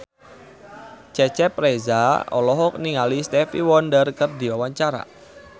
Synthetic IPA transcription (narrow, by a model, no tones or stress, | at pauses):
t͡ʃɛt͡ʃɛpɾezaɔ̰lɔɦɔk̚niŋalist̪ɛfiwɔndərkərd̪iwawaɲt͡ʃaɾa̰